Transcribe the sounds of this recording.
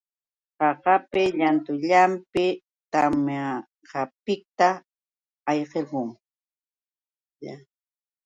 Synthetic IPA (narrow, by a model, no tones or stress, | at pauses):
qɑqɑpɪʎant̪ʊʎampɪ | t̪ama | qɑpɪk̚t̪aː | jqeɾqʊŋ | ja